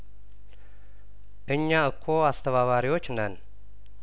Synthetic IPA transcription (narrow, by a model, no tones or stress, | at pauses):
ʔɨɲːaɨkʰːoast̪ʰəβaβaɾiwot͡ʃːnən